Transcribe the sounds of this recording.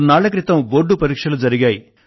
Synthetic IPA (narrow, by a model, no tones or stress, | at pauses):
naːɭɐk̬ɾit̪ɐmʋoːɖːupɐɾiːkʂɐlud͡ʒɐɾiɡaːji